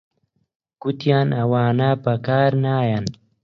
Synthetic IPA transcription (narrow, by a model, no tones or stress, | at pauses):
kut̪jaːnɐwaːnapɐkaːɾnaːjan